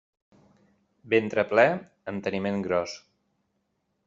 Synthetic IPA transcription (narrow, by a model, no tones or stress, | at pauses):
bent̪ɾəplɛ | ənt̪ənimeŋɡɾɔs